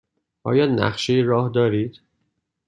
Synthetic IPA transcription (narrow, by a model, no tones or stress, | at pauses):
ʔɒːjɒːnæ̰χʃejeɾɒːhd̪ɒːɾiːd̪̥